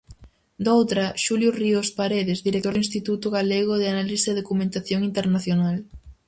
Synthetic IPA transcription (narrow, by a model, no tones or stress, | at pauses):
d̪owt̪ɾɐʃuljoriospaɾeðezðiɾek̚t̪oɾðĩnst̪it̪ut̪ʊɣaleɣ̞oðɪanalisðeðokumẽnt̪aθjoŋint̪eɾnaθjonal